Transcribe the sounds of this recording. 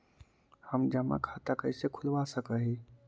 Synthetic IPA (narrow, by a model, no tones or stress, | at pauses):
həmd͡ʒəma̰kʰat̪akəɪsekʰʊlʋasəkəɦi